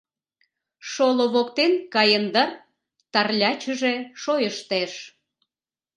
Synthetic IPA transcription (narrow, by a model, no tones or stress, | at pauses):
ʃoloβokt̪enkɑjənd̪ər | t̪ɑrlʲɑt͡ɕə̆ʒeʃojəʃt̪eʃ